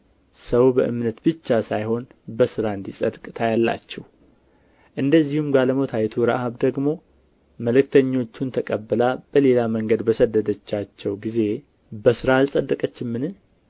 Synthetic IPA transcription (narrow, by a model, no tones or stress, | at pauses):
səwbəʔɨmnət̪bɨt͡ʃːasajho̞nbəsɨɾaɨnd̪isʼəd̪kʼɨt̪ʰajalːa̰t͡ʃːɛh | ʔɨnd̪əzːihumɡaləmot̪ʰajt̪ʰuɾa̰haβd̪əɡmo̞ | məlɨkt̪ʰəɲːo̞t͡ʃːunt̪ʰəkʼəbːəlab̥əle̞laməŋɡəd̪bəsəd̪ːəd̪ət͡ʃːat͡ʃːɛwɡize̞ | bəsɨɾalsʼəd̪ːəkʼət͡ʃːɪmːɨnɨ